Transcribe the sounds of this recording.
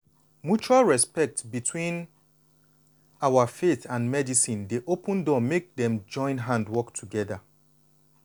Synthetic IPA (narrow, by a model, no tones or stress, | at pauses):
mjut͡ʃualɹɛspɛk̚tbitʰwĩn | awafeθãnmɛdisĩndeʔopə̃ndɔmek̚dɛ̃md͡ʒɔ̃ɪ̃nɦãndwɔktʰuɡɛða